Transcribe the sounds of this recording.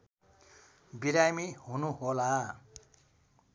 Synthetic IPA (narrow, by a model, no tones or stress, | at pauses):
biɾamiɦunuɦola